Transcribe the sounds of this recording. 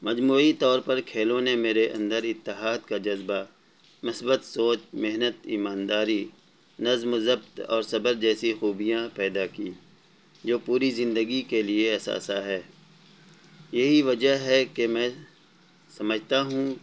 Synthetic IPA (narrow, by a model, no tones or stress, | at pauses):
mɐd͡ʒmuːit̪ɔːɾpɐɾkʰeːlõnemeːɾeʔɐ̰̃nd̪əɾɪt̪ːɪɦaːd̪kad͡ʒɐzba | mɪsbət̪soːt͡ʃmɪɦnət̪iːmaːnd̪aːɾi | nɐzmʊzəbt̪ɔ̰ːɾsɐbəɾd͡ʒɛːsixuːbijãpɛːd̪akiː | d͡ʒoːpuːɾizɪ̃nd̪əɡikelieɐsa̰ːsaɦɛː | jɐɦiʋɐd͡ʒəɦɦɛkemɛ̃ː | sɐməd͡ʒʱt̪aɦũ